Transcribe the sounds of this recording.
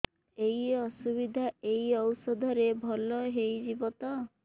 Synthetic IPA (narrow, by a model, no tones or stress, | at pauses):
ejɔsuβid̪ʱaejɔwsɔd̪ʱɔɾebʱɔlɔɦejd͡ʒibɔt̪ɔ